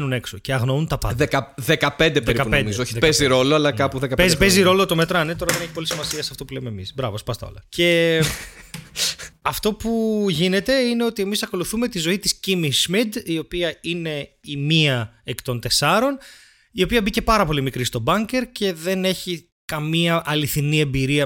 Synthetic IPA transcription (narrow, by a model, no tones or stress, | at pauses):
nune̞ksoce̞ɐɣnount̪ɐpɐekɐðekɐpe̞nd̪epɾikɐpenioçpeziɾo̞loɐlɐkɐpuðekɐpezpeziɾo̞lo̞t̪o̞me̞t̪ɾɐnet̪o̞ɾɐðeneçipo̞lisimɐsiɐsɐft̪o̞pulemeemisbɾɐvospɐst̪ɐ̰o̞̰lɐce̞ | ɐft̪o̞puʝine̞t̪e̞ine̞o̞t̪iemisɐko̞luθume̞t̪izo̞it̪iscimismid̪io̞piɐine̞ | imiɐ | ekt̪o̞nt̪e̞sɐɾo̞n | io̞piɐbice̞pɐɾɐpo̞limikɾist̪o̞bɐɲce̞ɾce̞ðe̞ne̞çi | kɐmiɐʔɐliθinie̞mbiɾiɐ